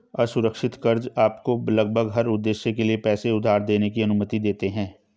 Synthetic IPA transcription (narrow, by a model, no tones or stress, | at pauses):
ɐsʊɾəkʃɪt̪kɐɾd͡ʒaːpkolɐɡ̚bʱəɡɦɐɾʊd̪ːeːʃjekeliepɛːseʊd̪ʱːaːɾd̪eːnekiɐnʊmət̪id̪eːt̪eɦɛ̃ː